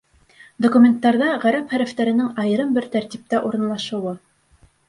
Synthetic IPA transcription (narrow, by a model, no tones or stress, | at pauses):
d̪okumʲe̞nt̪ːɑɾðɑʁæɾæpχæɾæft̪æɾɘ̆nɘŋɑjɤ̆ɾɤmbɘɾt̪æɾt̪ip̚t̪æʔuɾɤ̆nlˠɑʃɤ̆wɤ